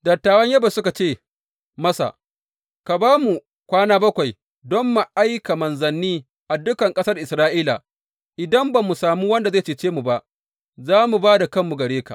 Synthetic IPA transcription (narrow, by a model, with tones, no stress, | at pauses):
dɐ˨tːaː˨wɐ˦ɲjɐ˦ba˨sʊ˦ka˨t͡ʃeː˦˨ | mɐ˦sa̰˨ | ka˨baː˦mu˨ | kʷaː˦naː˦bɐ˦kʷa˨j | dɔ˦mːu˨ʔa˦jka˨mɐ˨nzɐ˨nːiː˦ | ʔa˨dʊ˦kɐ˨ŋkʼɐ˦sɐ˦rʔɪ˨sɾaː˦ʔiː˦la̰˨ | ʔɪ˨dɐ˦mba˨mu˨saː˨muː˦wɐ˦nda˨zeː˦˨t͡ʃeː˨t͡ʃeː˦mu˨ba˦ʔ | zaː˦mu˨baː˦da˨kɐ˦mːu˨ɡɐ˨ɽeː˦ka̰˨